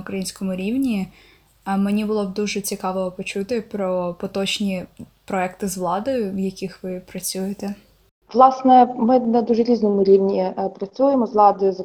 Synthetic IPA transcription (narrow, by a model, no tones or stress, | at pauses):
ʊkɾɐjinʲsʲkɔmʊɾʲiwnʲi | menʲibʊlˠɔbd̪uʒɛt͡sʲikɑʋɔɔpɔt͡ʃut̪ɪpɾɔpɔt̪ɔt͡ʃnʲi | pɾɔɛkt̪ɪzʋlˠɑd̪ɔjʊʋjɐkʲixʋɪpɾɐt͡sʲujet̪ɛ | ʋlˠɑsnɛmɪnɐd̪uʒɛɾʲiznɔmʊɾʲiwnʲipɾɐt͡sʲujeɛmɔzʋlˠɑd̪ɔjʊz